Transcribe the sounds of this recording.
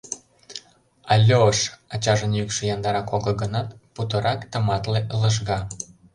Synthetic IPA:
ɑlʲːoəʃɑt͡ɕɑʒənjykʃĕjɑnd̪ɑɾɑkoɣɤɡənɑt̪put̪əɾɑkt̪ə̆mɑt̪leʔləʃ̬ɣɑ

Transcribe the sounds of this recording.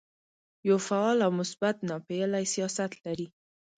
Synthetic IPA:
jawfaɑlawmʊsbat̪nɑpelajsijɑsat̪laɾi

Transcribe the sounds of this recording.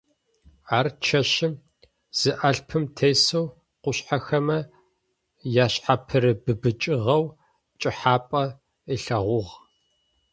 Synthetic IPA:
aːrt͡ʃʰɐɕɪm | z̥ɨʔɐɬpʰɨmtʰeːjsɐw | qʷʊɕħaxɐmɐ | jaːɕħapʰɨɾɨbɨbɨt͡ʃʼɪʁɐw | t͡ʃʼɪħaːpʼɐ | iɬɐʁʷʊʁ

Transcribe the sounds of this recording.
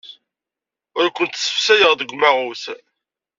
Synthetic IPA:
ʊɾkʷːənt̪sə̥fsæjəʁðəɡʷmæʁʊθ

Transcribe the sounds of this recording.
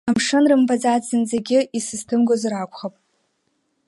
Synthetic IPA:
amʂɨnrɨmbad͡zazɨnzeɡʲɪʔisɨztʰɨmɡʷozrakʷʰʼχapʼ

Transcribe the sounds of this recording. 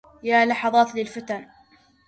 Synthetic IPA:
jaːlɑħɑðˤɑːt̪lɪlfɪt̪an

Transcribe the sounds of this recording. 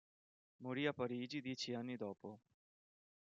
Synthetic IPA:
muɾijapəɾiːd͡ʒid̪iːt͡ʃʰijaniːd̪ɔːpoː

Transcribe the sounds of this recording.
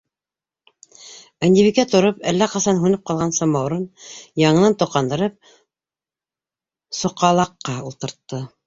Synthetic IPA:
ænʲd̪ʲiβikæt̪ŏɾopælːæqɑsɑnɦʉnɘp̚qɑlˠʁɑnsɑmɑwɾɤnjɑɴɤ̆nɑnt̪ŏqɑnd̪ɤ̆ɾɤp̚ | sŏqɑlˠɑqːɑulˠt̪ɤ̆ɾt̪ːɤ

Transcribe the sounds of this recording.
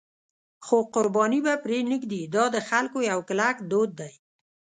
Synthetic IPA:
xoqʊɾbɑnibapɾenikd̪id̪ɑd̪əxalkojawklakd̪od̪̚ːaj

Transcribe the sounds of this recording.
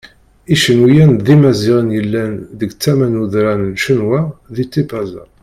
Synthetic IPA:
iʃənwijænðimæziʁənjəlːænðəɡt͡sːæmænuðɾænnʃənwæðit̪ːipæzæ̰

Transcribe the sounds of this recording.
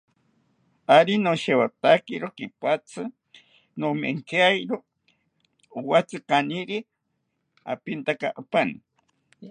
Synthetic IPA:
aɾinoʃewat̪akiɾokipat͡sʰɨ | nomḛŋkeajɾo | wat͡sɨkaniɾi | a̰pint̪akaʔapani

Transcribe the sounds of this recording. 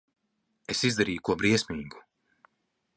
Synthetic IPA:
esizd̪aɾiːjukuɔbɾiɛsʲmiːɡu̥

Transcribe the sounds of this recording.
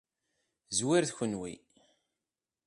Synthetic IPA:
zwiɾθçənwḭ

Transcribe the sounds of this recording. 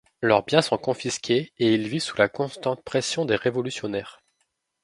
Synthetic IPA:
lœʁbjɛ̃sɔ̃kɔ̃fiskʲʰeeilvisu̥lakɔ̃st̪ɑ̃t̪̚pχɛsjɔ̃d̪eʁevɔlysjɔnɛːʁ

